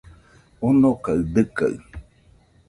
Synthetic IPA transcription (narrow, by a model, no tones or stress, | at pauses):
onokaɨd̪ɨka̰ɨ̰